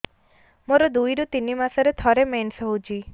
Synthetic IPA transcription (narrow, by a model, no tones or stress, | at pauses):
moɾɔd̪ujɾut̪inimasɔɾet̪ʰɔɾemensɔɦud͡ʒʰi